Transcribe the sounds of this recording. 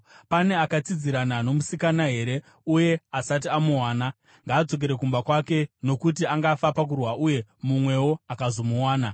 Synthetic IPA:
pane̞akat͡sid͡ziɾanano̞musikanaɦe̞ɾe̞ | uje̞asat̬iamuwaːna | ŋɡaːd͡zo̞k̬eɾe̞k̬umbakwake̞no̞kut̬iaŋɡafapak̬urwaʔuje̞mumwe̞wo̞akazo̞muwaːna

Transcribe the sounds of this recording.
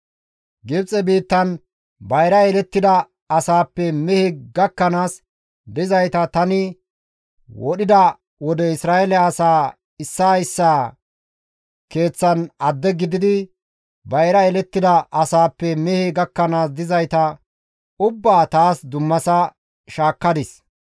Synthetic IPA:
ɡɪbt͡sʼɛbiːt̪ːɐn | bɐjɾɐɛlɛt̪ːɪd̪ɐ | ɐsaːpːɛmɛhɪɡɐkːɐnaːs | d̪ɪzɐjt̪ɐt̪ɐnɪ | wɔɗɪd̪ɐ | wɔd̪ɛɪsɾaːɛlɛɐsaː | ɪsːaɪsːaː | ke̞ːt͡sːɐnɐd̪ːɛɡɪd̪ɪd̪ɪ | bɐjɾɐɛlɛt̪ːɪd̪ɐʔɐsaːpːɛmɛhɪɡɐkːɐnaːsd̪ɪzɐjt̪ɐ | ʊbːaːt̪aːsd̪ʊmːɐsɐ | ʃaːkːɐd̪ɪs

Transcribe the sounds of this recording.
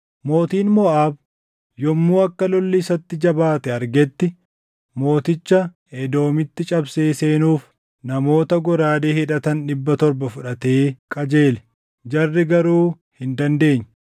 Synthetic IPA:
mo̞ːt̪iːnmɔʔaːb | jɔmːuːɐkːɐlɔlːɪsɐt̪ːɪd͡ʒɐbaːt̪ɛɐɾɡɛt̪ːɪ | mo̞ːt̪ɪt͡ʃːɐ | ɛd̪o̞ːmɪt̪ːɪt͡ʃʼɐbse̞ːse̞ːnuːf | nɐmo̞ːt̪ɐɡɔɾaːd̪eːhɪᶑɐt̪ɐnᶑɪbːɐt̪ɔɾbɐfʊᶑɐt̪e̞ːkʼɐd͡ʒe̞ːlɛ̥ | d͡ʒɐrːɪɡɐɾuː | hɪnd̪ɐnd̪e̞ːɲː

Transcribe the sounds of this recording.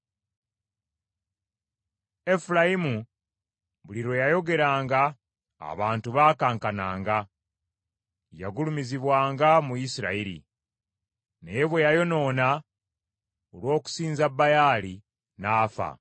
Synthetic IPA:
e̞fulajimu | βuliɾo̞jajo̞ɡe̞ɾaːŋɡa̰ː | βaːntuβaːkaːŋkana̰ːŋɡa | ja̰ɡulumiziβwaːŋɡamuisiɾa̰iɾḭ | nejeβwejajo̞no̞ːna | olwo̞ːku̥siːnzabːajaːli | naːfa̰

